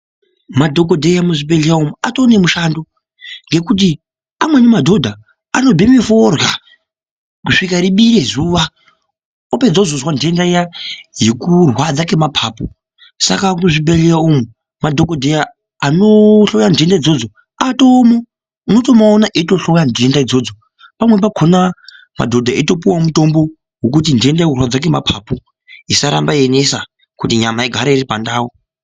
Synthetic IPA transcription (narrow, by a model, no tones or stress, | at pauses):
madʱo̞k̬odʱejamuʐibeɮeaomuatone̞muʃando | ŋɡe̞kut̬i | amwe̞nemadʱo̞dʱa | ano̞bʱimiforɣa | kuʂikaɾiɓiɾezuʋa | ope̞d͡zazozwande̞ndajajekurwad͡zake̞mapʰaːpo | sa̰kakuʐibelejaomu | madʱokodʱejaː | noɬojandiendaid͡zo̞d͡zo | ato̞ːmo | unoto̞maonaʔito̞ɬojandiendaid͡zo̞d͡zo | pamwe̞p̬akʰona | ma̰dʱo̞dʱaeto̞p̬iwamuto̞mbo̞ | wokut̬indie̞ndajekurwad͡zak̬ema̰pʰapu | isaɾa̰mbaenesa | kutiɲamaiɡʱaɾairipandaːwo